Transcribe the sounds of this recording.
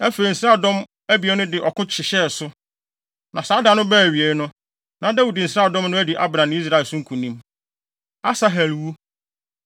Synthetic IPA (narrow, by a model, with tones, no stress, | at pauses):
æ˦fe˨i˨n̩˨sɾa˦˨dɔ̃˦m | æ˦bi˨ɛ˨˦nʊ̃˦dɪ˨ʔɔ˨kʰʊ̃˦t͡ɕʰɪ˨ɕɛ˦˨sʊ˦ | nʔã˨saː˨˦da˨nʊ̃˦bæː˦˨ɥi˨ɛ˨ɾɪ˦nʊ̃˦ | nã˨˦dæ˦wu˨dɪ˨n̩˨sɾa˦˨dɔ̃˦mnʊ̃˦æ˦di˨ʔa̰˦bɾã˨˦i˦s̬ɾa˨ɛ˨sʊ̃˦ŋ̩˦kʰũ˨nĩ˦m | a˦sa˦ɦæ˨lwu˦